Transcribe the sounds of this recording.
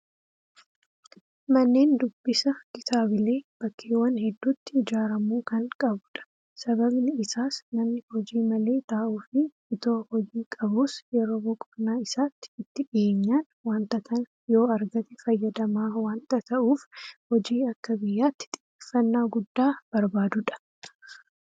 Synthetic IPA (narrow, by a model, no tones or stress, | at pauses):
mɐnːe̞ːnd̪ʊbːɪsɐkɪt̪aːbɪle̞ːb̥ɐkʰːeːwɐnhɛd̪ːuːt̪ːɪːd͡ʒaːɾɐmuːkɐŋkʼɐbʊᶑɐ̥ | sɐβɐbnɪːsaːsnɐmnɪhɔd͡ʒiːmɐle̞ːt̪aːʔuːfɪ | ɪt̪oːhɔd͡ʒiːkʼɐbuːsjɛɾo̞ːbʊkʼʊbnaːɪsaːt̪ːɪ̥ɪt̪ːɪᶑɪeːɲːaːn | waːnt̪ɐt̪ɐn | jo̞ːɐɾɡɐt̪ɛfɐjːɐd̪ɐmaːwaːnt̪ɐt̪ɐʔuːfhɔd͡ʒiːɐkːɐbɪjːaːt̪ːɪ̥t̪ʼɪ̥eːfːɐnːaːɡʊd̪ːaːb̥ɐɾbaːd̪ʊᶑɐ̥